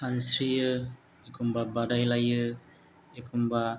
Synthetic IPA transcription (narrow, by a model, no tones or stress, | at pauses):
sansɾijɯ | ekʰumbabadajlajɯ | ekʰumba